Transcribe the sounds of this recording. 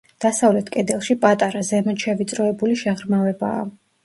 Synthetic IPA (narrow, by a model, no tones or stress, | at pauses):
d̪̥asavlɛt̪ʰkʼɛd̪ɛlˠʃipʼat̪ʼaɾazɛmɛt̪ʃɛvit̪sʼɾɔɛbuliʃɛʁɾmavɛba̰ː